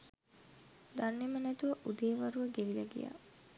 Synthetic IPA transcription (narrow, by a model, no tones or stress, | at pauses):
d̪anːemənæt̪uʋəʔud̪eːʋaɾuʋəɡeʋilɐɡḭja̰ː